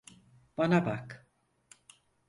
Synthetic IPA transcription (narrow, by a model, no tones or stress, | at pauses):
b̥anabak